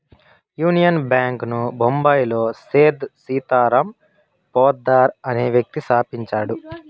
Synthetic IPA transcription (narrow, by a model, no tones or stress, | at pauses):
juːnijɐnbjaːŋknubʱombajlo̞ːseːd̪siːt̪aːɾɐm | pɔːd̪ːaːɾɐneːʋjɐk̚t̪isaːpiɲt͡ʃaːɽu